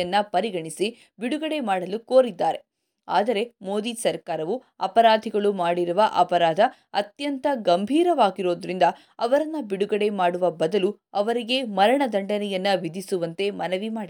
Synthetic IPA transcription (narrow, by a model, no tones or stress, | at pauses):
ɐnːɐpɐɾiɡɐɳisi | biɽuɡɐɽe̞maːɽɐlukoːɾid̪ːaːɾe̞ | a̰ːd̪ɐɾe̞mo̞ːd̪isɐɾkaːɾɐʋu | ɐ̰pɐɾaːd̪ʱiɡɐɭumaːɽiɾuʋɐʔɐpɐɾaːd̪ʱɐ | ɐt̪jɐnt̪ɐɡɐmbʱiːɾɐʋaːɡiɾo̞ːd̪ɾind̪ɐ | ɐʋɐɾɐnːɐbiɽuɡɐɽe̞maːɽuʋɐbɐd̪ɐlu | ɐʋɐɾiɡe̞mɐɾɐɳɐd̪ʱɐɳɖɐnɛjɐnːɐʋid̪ʱisuʋɐnt̪e̞mɐnɐʋimaːi